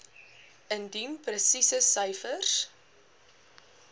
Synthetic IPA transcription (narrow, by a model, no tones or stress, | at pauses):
əndinprəsisəsœjfərs